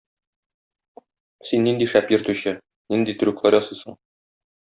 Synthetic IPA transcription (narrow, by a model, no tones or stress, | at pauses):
sinːind̪iʃæpjɵ̆ɾt̪ʉɕɘ | nind̪it̪ɵ̆ɾʉklˠæɾjɒsɤjsɤ̰̆ɴ